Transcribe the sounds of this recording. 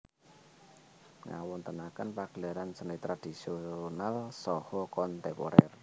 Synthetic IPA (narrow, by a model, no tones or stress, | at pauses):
ŋa̰wɔnt̪ənakənpaɡ̥əlaɾansənit̪ɾad̪̥i̤sionalsɔhɔkɔnt̪ɛpɔ̰ɾɛr